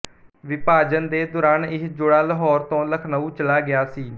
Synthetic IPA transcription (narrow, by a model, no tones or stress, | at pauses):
ʋɪpaːd͡ʒənd̪eːd̪ʊːɾaːnɪsd͡ʒʊɽaːləɦɔːɾt̪õːləkʰnəuːt͡ʃəlaːɡɪjaːsiː